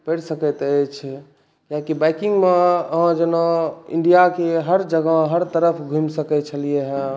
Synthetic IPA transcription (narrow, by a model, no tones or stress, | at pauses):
pəɽsəkət̪ət͡ʃʰ | kakibajkĩŋɡmeəɦãd͡ʒenoḭ̃ɳɖijakeɦəɾd͡ʒəɡəɦəɾt̪əɾəpʰɡʱumsəkɛt̪t͡ʃʰəlijeɦɛ̃